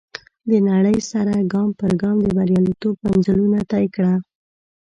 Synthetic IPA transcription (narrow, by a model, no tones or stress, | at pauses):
d̪ənaɽəjsaɾaɡɑmpəɾɡɑmd̪əbaɾjɑlit̪obmanzəlunat̪ɑjkɽa